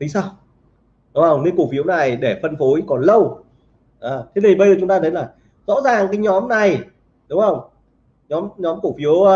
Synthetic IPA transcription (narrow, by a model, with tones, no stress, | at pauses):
t̪ʰi˨˦ŋ̟saː˧w | ɗʊ˨˦ŋ͡mhə˧wŋ͡mne˨˧˦ku˧˩fi˨˦əwna˨˩jɗe˧˩fə˧nfo˨˦jkɔ˨˩nlə˧w | ʔaː˨˩t̪ʰi˨˦nt̪i˨˩ɓə˧jzəː˨˧˩t͡ɕʊ˨˦ŋ͡mt̪aː˧t̪ə˨˦jlaː˨˩ | zɔ̰˧˥zaː˨˩ŋkaː˨˦jɲɔ˨˦mna˨˩j | ɗʊ˨˦ŋ͡mhə˧wŋ͡m | ɲɔ˨˦mɲɔ˨˦mku˧˩fi˨˦əw